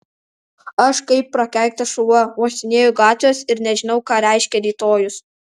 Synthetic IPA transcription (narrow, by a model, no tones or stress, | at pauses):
ɐʃkɐɪpːɾɐkʲɛˑŋk̚t̪ɐʃʊɐmoːsʲt̪ʲɪnʲeːjʊɡɑːt̪ʲʋʲoːsɪɾnʲɛʒʲɪnɒʊkɑːɾʲɛˑɪʃʲkʲɛɾʲiːt̪oːjʊs